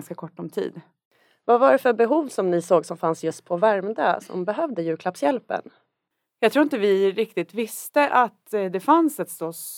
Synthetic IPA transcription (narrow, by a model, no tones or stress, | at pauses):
nskakʰɔʈːɔmt̪ʰḭːd̪ | vavaɖɛfœbɛɦuːvsɔmnɪsoːɡsɔmfansjɵst̪̚pʰɔvæɾmd̪a̰sɔ̰mbɛɦœvd̪əjʉ̟ɾkʰlapsjɛlpə̰n | jɑɡt̪ʰɾuːɾɪnt̪əvɪɾɪkt̪ɪt̪vɪst̪əʔat̪d̪ɛfansɛt̪st̪ɔs